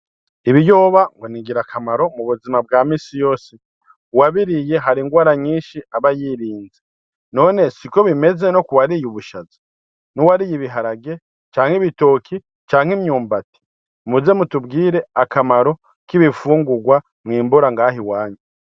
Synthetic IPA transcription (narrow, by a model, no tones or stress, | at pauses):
iβijo̞ːβaŋɡo̞niɡiɾakʰamaɾo̞muβuzimab̚ɡaːmiːsijo̞ːsi | waβiɾije̞ɦaɾiŋɡwaːɾaɲiːʃiaβajiːɾiːnze | no̞ːne̞siko̞βime̞ze̞no̞kuwaɾijuβuʃazi̥ | nuwaɾijiβiɦaɾaɡe̞ | t͡ʃaːŋ̥hiβito̞kʰi | t͡ʃaːŋhemɲuːmbati̥ | muzemutubɡiːɾe̞akamaɾo̞ | kiβifuːŋɡuɡwa | mŋiːmbuɾaŋɡaːhiwaːɲu